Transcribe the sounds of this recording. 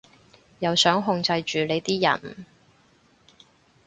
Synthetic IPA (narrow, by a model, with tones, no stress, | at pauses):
jɐ˨wsœː˨˥ŋɦʊ˧ŋt͡sɐ˧jt͡ʃyː˨le˨˧jt̪iː˥jɐ̰˨˩n